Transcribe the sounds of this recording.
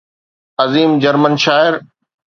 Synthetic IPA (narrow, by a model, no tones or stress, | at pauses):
ɐziːmd͡ʑɐɾmənʃaːɪɾ